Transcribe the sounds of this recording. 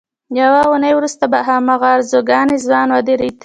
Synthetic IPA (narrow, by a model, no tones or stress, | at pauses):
jawaunəjwɾust̪abaɦamaɣɑɾzoɡɑnezwɑnwad̪eɾit̪